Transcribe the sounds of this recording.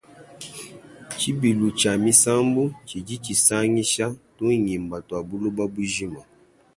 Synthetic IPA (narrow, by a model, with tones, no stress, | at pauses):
t͡ʃi˦bi˨lu˨t͡ʃa˨mi˦sa˦mbu˦t͡ʃi˨d͡ʒi˦t͡ʃi˨sa˦ŋi˦ʃa˦to˦˨ɲi˨m˨ba˨twa˨bu˦lo˦ba˦bu˦ʒi˦ma˨